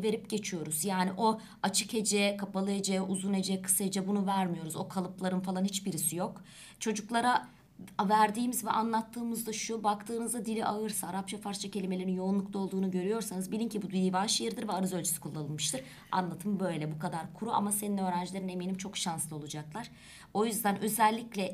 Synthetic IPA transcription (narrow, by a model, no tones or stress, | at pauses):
ve̞ɾip̚ɟe̞t͡ʃʰijo̞ɾuz̥jaːniʔo̞ | at͡ʃʰɯ̥khe̞d͡ʒɛkʰapalˠɯe̞d͡ʒɛuzune̞d͡ʒɛkʰɯ̥sae̞d͡ʒɛbunuvæɾmijo̞ɾuzo̞kʰalˠɯplˠaɾɯnfalˠanhit͡ʃbiɾisijo̞k | t͡ʃʰo̞d͡ʒuklˠaɾa | væɾd̪iːmizvɛ̰ʔanlˠat̪ʰːɯːmɯzd̪aʃubakt̪ʰɯːnɯzd̪ad̪ilʲiʔaɯɾsaːɾap̚t͡ʃʰafaɾt͡ʃʰacʰe̞lʲimelʲeɾinjo̞unlˠukt̪ao̞lˠd̪uːnuɟø̞ɾyjo̞ɾsanɯzbilʲincibud̪ijivanʃajɯɾd̪ɯɾvɛaɾɯzølʲt͡ʃʰy̥si̥kʰulˠːanlˠɯnmɯʃt̪ʰɯɾ̥ | a̰nlˠat̪ʰɯmbø̞jlʲɛbukad̪aɾkʰuɾua̰maseninø̞ːɾænd͡ʒlʲe̞ɾine̞miːnimt͡ʃʰo̞kʃanslˠɯo̞lˠud͡ʒaklˠaɾ̥ | o̞jyzd̪ænʔø̞zɛlʲːiclʲɛ